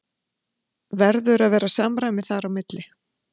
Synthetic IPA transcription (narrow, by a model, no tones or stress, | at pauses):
vɛɾðʏɾaðvɛːɾasaːmɾajmɪθaɾawmɪt̪lɪ